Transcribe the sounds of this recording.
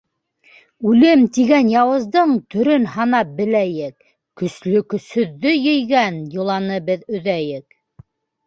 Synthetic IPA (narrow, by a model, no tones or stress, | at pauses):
ʉlɘmt̪iɡænjɑwɤ̆zd̪ɤɴt̪ɵ̆ɾɵnhɑnɑp̚bɘ̆læjɘk̚ | kɵ̆slɵkɵ̆sɵ̆ðːɵjɘ̆jɡænjŏlˠɑnɤbɘðɵ̆ðæjɘk